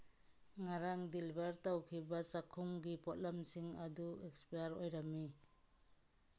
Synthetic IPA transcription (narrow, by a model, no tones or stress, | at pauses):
ŋaɾaŋdilbaɾtawkʰibasakʰumɡipɔt̚lamsiŋaduekspijaɾojɾamːi